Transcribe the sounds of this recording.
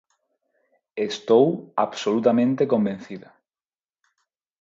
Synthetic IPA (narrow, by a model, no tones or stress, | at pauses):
est̪owa̰βsolut̪amẽnt̪ekombẽn̟θiða